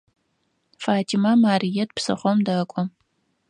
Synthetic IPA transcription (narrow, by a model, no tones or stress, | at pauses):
faːtʰimamaːrijɛt̚psɨ̰χʷɔmdɐkʷʼɔ